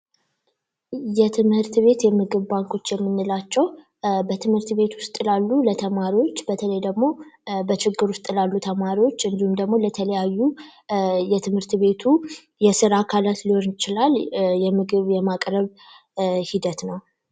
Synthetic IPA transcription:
jɛt̪ʰɨmhɨɾt̪βe̞t̪jɛmɨɡɨβbaŋkʰo̞t͡ʃːjɛmːɨnːɨlat͡ʃːɛw | bət̪ʰɨmhɨɾt̪βe̞t̪wʊst̪ʼɨlalːulət̪ʰəmaɾiwo̞t͡ʃːbət̪ʰələjd̪əɡmo̞bət͡ʃɪɡːɨɾwʊst̪ʼɨlalːut̪ʰəmaɾiwo̞t͡ʃːɨnd̪ihumd̪əɡmo̞lət̪ʰələjajːu | jɛt̪ʰɨmhɨɾt̪βe̞t̪ʰu | jɛsɨɾakʰalat̪liho̞nɪt͡ʃɪlaljɛmɨɡɨβjɛmakʼɾəβ | hid̪ət̪nəw

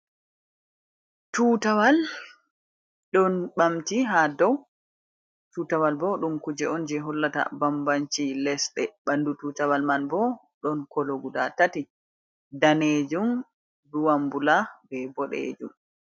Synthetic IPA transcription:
tutawal | ɗɔnɓamtiɦadɔw | tutawalbɔɗumkud͡ʒɛɔnd͡ʒɛɦɔlːata̰bambant͡ʃilɛsɗɛɓandututawalmanbɔ | ɗɔnkɔloɡudatati | daned͡ʒum | duwambulabɛbɔɗḛːd͡ʒum

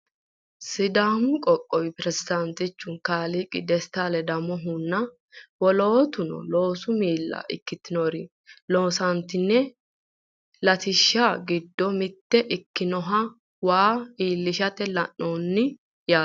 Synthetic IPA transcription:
sɪd̪aːmʊkʼɔkʼːɔwɪpɾɛzɪd̪ɐnt̪ɪt͡ʃːʊnkaːlikʼɪ̰d̪ɛst̪alɛd̪ɐmɔɦʊnːɐ | wɔloːt̪ʊnɔ̰lo̞ːsʊmiːlːɐ̰ʔɪ̰kːɪt̪ːɪnoɾɪ | lo̞ːsɐnt̪ɪnːɛ | lɐt̪ɪʃːaɡɪd̪ːɔmɪt̪ːɛʔɪkːɪnɔɦɐ | waːiːlːɪʃɐt̪ːɛlɐnːoːnːɪ | jaː

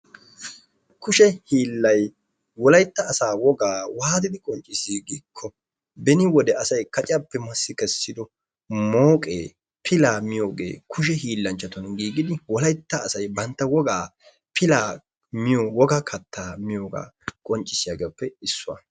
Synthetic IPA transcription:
kʊʃɛhiːlːɐj | wɔlɐjt̪ːɐːsaːwɔɡaːwaːd̪ɪd̪ɪkʼɔnt͡ʃʼːɪsiːɡiːkʰːɔ | bɛnɪwɔd̪ɛɐsɐjkɐt͡ʃʼɪapːɛmɐsːɪkɛsːɪd̪ɔ | moːkʼḛː | pʰɪlaːmɪjo̞ːɡḛːkʰʊʃ̬ɛhiːlːɐnt͡ʃːɐt̪ɔnɡiːɡɪd̪ɪwɔlɐjt̪ːɐːsɐjbɐnt̪ːɐwɔɡaː | pʰɪlaː | mɪjowɔɡakʰɐt̪ːaːmɪjoːɡa̰ːkʼɔnt͡ʃʼːɪsɪjaɡepːɛɪsːʊwɐ̰

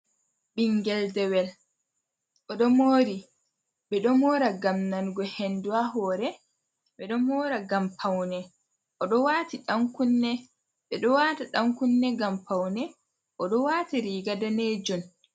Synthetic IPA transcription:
ɓiŋɡɛldɛwɛl | ʔɔɗɔmoːɾi | ɓɛɗɔmɔːɾaɡamnanɡɔhenduaɦɔɾɛ | ɓɛɗɔmɔːɾaɡampʰawnɛ | ʔɔɗɔwaːtiɗaŋkunːɛ | ɓɛɗɔwaːtaɗaŋkunːɛɡampawnɛ | ʔɔɗɔwaːtiɾiːɡadaned͡ʒɔn

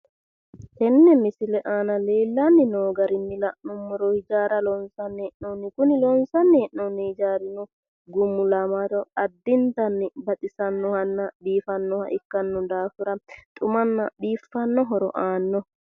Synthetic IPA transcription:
k̪ɛnːɛmɪsɪlɛʔaːnɐleːlːanːɪnoːɡɐɾɪnːɪlɐʔnumːɔɾɔhɪd͡ʒaːɾɐlɔnsɐnːɛʔnonːɪkʊnɪlɔnsɐnːɛʔnɔnːihɪd͡ʒaːɾɪnu | ɡʊmːʊlɐmaɾɔɐd̪ːɪnt̪ɐnːɪbɐt̪ʼɪsɐnːɔhɐnːabiːfɐnːɔha̰ʔɪkːɐnːɔd̪aːfʊɾɐt̪ʼʊmɐnːɐɓiːfːɐnːɔɦɔɾɔ̰ʔaːnːɔ

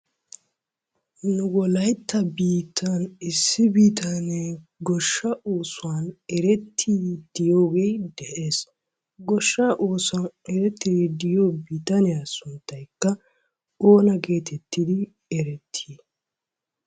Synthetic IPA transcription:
nʊwɔlɐjt̪ːɐbiːt̪ʰːanɪsːɪbiːt̪ʰɐneɡɔʃːɐoːsʊwaːnɛɾɛt̪ʰːiːd̪̥ɪjoːɡejd̪ɛʔeːs | ɡɔʃːɐʔoːsʊanɛɾɛt̪ːeːd̪ɪjoːbiːt̪ɐnɪasʊnt̪ːɐjkːɐ | oːnɐɡe̞ːt̪ʰɛt̪ːɪd̪ɪ | ɛɾɛt̪ʰːi

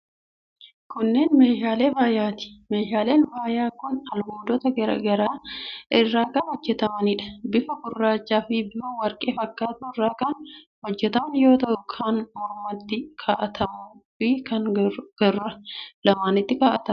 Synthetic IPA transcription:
kʊnːe̞ːnme̞ːʃaːle̞ːbaːjaːt̪ɪ̥me̞ːʃaːle̞ːnbaːjaːkʊnɐlmoːd̪ɔt̪ɐɡɐɾɐ̰ɡɐɾaːʔɪrːaːkɐnɔd͡ʒːɛt̪ɐmɐnɪᶑɐ̥bɪfɐkʊrːaːt͡ʃʼːaːfɪbɪɐwɐɾkʼe̞ːfɐkːaːt̪ʊɪrːaːkɐn | hɔd͡ʒːɛt̪ɐmɐnjo̞ːt̪ɐʔʊkʰanmɔɾmɐt̪ːɪkʰaːʔɐt̪ʰɐmuːfɪkɐnɡ̥ɐrɐlɐmaːnɪt̪ːɪkaːʔɐt̪ɐm

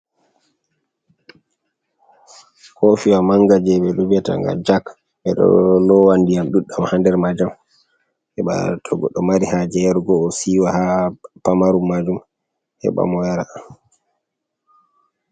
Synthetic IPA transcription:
hofiwamaŋɡad͡ʒɛɓɛlubɛta̰ŋɡa̰d͡ʒak | ɓɛɗɔ̰lɔwandijamɗuɗːamhandɛɾmad͡ʒam | hɛɓa̰tʰɔɡɔɗɔmaɾihad͡ʒɛɛɾɡɔːsiːwahapamaɾumːad͡ʒum | hɛ̰ɓa̰mɔjaɾaam

